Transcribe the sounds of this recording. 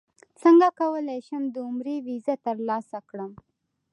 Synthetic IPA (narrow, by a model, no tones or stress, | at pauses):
t͡səŋɡakawəlajʃəmd̪əʊmɾewizat̪əɾlɑsakɽəm